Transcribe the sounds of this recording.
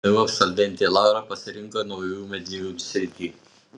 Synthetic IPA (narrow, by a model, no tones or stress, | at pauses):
ɐjuɐpsɐlʲʋʲɛnʲt̪ʲeːlˠɑˑʊɾɐpɐsʲɪɾʲɪŋkoːnɐʊjuːmʲɛd̪ʲiːjʲusʲɾʲɪt̪ʲiː